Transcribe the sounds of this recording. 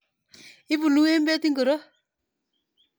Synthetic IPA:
ɪ˦bu˨nu˦e˦mbɛ˦ti˦ŋɡə˨ɾo˦

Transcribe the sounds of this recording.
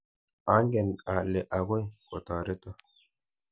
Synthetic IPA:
a˨˦ŋɡɛ˨na˨lːɛ˨ʔa˨ɡɔ˦jkʼɔ˨t̪aː˨ɾɛ˦t̪o˦

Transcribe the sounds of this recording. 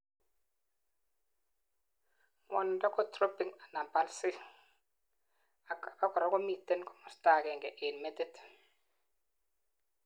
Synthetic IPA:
mɔ̰˨ndɔ˦kɔ˦tɾo˦pi˨ŋa˨na˨mpa˨lsɪ˦ | a˨ka˨pa˦kɔ˨ɾa˨˦kɔ˦mi˨tːe˦nkɔ̥˦mɔ˨sta˨kɛ˨ŋɡɛ˨ʔe˨nme˦te˦t

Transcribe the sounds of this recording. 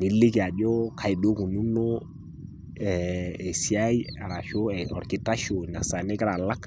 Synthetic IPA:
ni˦lːi˦ki˨a˨d͡ʒo˦kʰa˨i˨do˦ku˨nu˦no˦ | ɛ˨e˨si˦a˦i˦a˨ɾa˨ʃo˦ɛ˨ɔ̰˨ɾki˨ta˦ʃo˨na˨sa˨ne˦ka˦ɾa˨la˦k

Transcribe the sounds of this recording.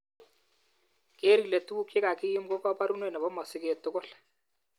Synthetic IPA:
ke˦ɾi˨le˨tu˦u˦ke˦ka˨kɪ˦jɪ˦mko˦pa˦pa˦ɾu˦nwɛ˦˨nɛ˨bɔ˦mɔ˨sɪ˦ke˨tʊ˦ɡʊ˦l

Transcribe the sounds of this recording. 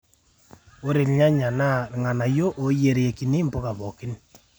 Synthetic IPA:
o˦ɾe˨lɲa˦ɲa˨na˦˨ŋa˨na˨jo˦ʔo˨je˨ɾe˨ki˨ni˦m˨po˦ka˨βɔ˨kɪ˦n

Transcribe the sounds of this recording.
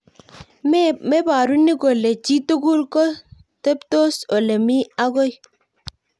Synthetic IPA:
mɛ˦ba˨ɾu˦ni˦ɡo˨le˨t͡ʃi˦to˦ɡu˦lkɔ˦ | tɛ˦pto˦sɔ˨le˨mi˦a˦ɡɔ˦j

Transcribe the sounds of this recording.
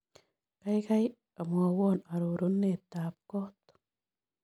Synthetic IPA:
ka˦jka˦j | a˨mwa˨wɔ˦˨na˨ɾo˨ɾo˦nːe˨t̪a˨p̚kɔ˦t̪

